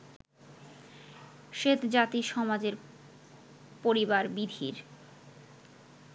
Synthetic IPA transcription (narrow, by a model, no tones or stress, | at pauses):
ʃet̪d͡ʑat̪iʃɔmad͡ʑeɾ | poɾibaɾbid̪ʱḭɾ